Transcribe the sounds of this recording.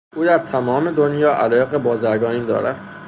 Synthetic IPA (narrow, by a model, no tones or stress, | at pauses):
ʔuːd̪æɾt̪ʰæmɒːme̞d̪o̞njɒːʔælɒːjeɣebɒːzæɾɡɒːniːnd̪ɒ̰ːɾæ̰d̪